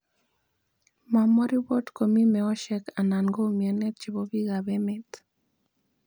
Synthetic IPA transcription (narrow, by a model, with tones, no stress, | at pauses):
ma˨mɔ˦ɾi˦wɔ˦tko˨mi˦mɛ˨ɔ˦ʃɛ˦ka˨na˨ŋɡo˦miɛ˨nɛ˦t̪̚t͡ʃi˨bɔ˦bi˦ɣa˨βɛmɛ˦t̪